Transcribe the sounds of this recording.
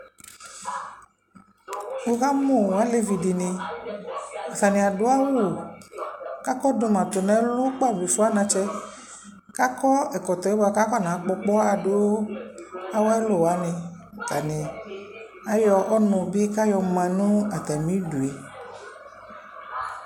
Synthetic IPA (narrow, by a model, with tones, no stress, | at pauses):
o˦ɣa˦mõ˦˨a˨˦le˦vi˨di˨nĩ˧ | a˨fa˨nĩ˨a˨do˦a˦wo˦˨ | ka˦kɔ˦do˧mã˨t̪o˨nɛ̃˨˦lu˦k͡pɔ˦a˦˨bi˨fu˦a˦nã˧t͡ʃɛ˦ | ka˦kɔ˦ɛ˨kɔ˨t̪ɔ˨e˦ba˧ka˦kɔ˦˨nã˨˦k͡pɔ˧k͡pɔ˦a˨do˦a˦wɔ˦ɛ˦lo˦˨wa˨˦nĩ˧˨ | t̪a˨nĩ˨ | a˦jɔ˧ɔ˦nũ˧bi˦ka˦jɔ˧mã˨˧nũ˦a˨t̪a˨mĩ˨˦du˨e˨